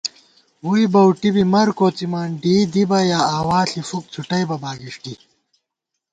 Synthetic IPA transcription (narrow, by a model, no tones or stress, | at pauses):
wuibɐwʈibimɐɾkoːt͡simaːnɖiːd̪ibɐjaːaːwaːɬifuk̚t͡sʰuʈɐjbɐbaːɡiʂʈi